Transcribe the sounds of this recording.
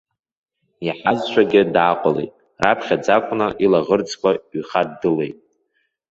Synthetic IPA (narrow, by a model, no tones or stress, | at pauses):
iħazt͡ʃʷʰaɡʲɪdʕaqʷʼalḛjtʼ | rapʰχʲad͡zakʷʼʊnaʔilaʁərd͡zkʷʰaɥχadːɨle̞jtʼ